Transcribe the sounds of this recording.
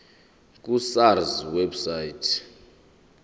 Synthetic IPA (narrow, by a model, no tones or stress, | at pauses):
k̬ʼusarzwɛbsaitʰ